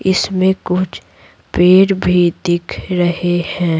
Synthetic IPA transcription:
ɪsmẽkʊt͡ʃʰ | peːɽbʱid̪ɪkʰɾɐɦehɛ̃ː

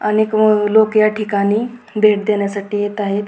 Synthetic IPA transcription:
añiklokjaʈʰikaniː | bʱeʈ̚d̪eɳjasaʈiːjet̪aɦet̪

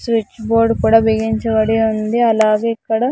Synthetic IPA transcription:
sʋit͡ʃːboːɾɖkuːɽaːbiɡiɲt͡ʃɐʋɐɽiund̪iɐlaːɡeːikːɐɽɐ

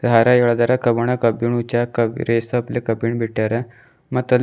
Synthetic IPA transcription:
d̪ʱaɾaewɭad̪aɾakəbəɳ̃akəbiɳut͡ɕakəɾesəːplekəpiɳbʱiʈːjaɾa | mət̪əl

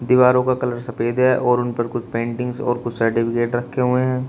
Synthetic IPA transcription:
d̪ɪʋaːɾõkakɐləɾsɐpeːd̪ɦɛʔɔːɾʊnpɐɾkʊt͡ʃʰpẽːɳʈɪ̃ŋɡzɔ̰ːɾkʊt͡ʃʰsɐɾʈɪpʰɪkeːʈɾɐkʰːeɦueɦɛ̃ː

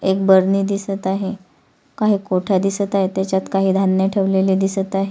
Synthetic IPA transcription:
ek̚bəɾniːd̪isət̪aɦe | kaɦiːkoʈʰad̪isət̪aɦet̪jat͡ɕat̪kaɦiːd̪ʱanːjəʈʰeʋlelid̪isət̪aɦe

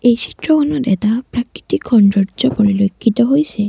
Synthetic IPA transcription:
ejsʰi̥tɹɔkʰɔnɔtɛ̰tapɹakɹitikʰːɔnɹɔzɔpoɹilokʰːitɔɦojsɛ

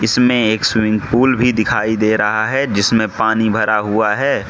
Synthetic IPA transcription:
ɪsmẽeːkswɪ̃ŋɡpuːlbʱid̪ɪkʰaːid̪eːɾɐɦaɦɛd͡ʒɪsmẽpaːnibʱɐɾaɦuaɦɛː

